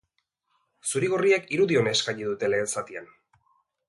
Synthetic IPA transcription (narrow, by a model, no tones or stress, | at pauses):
suɾiɣo̞riakiɾuðio̞neːskaɲiðut̪e̞le̞ːlsat̪ian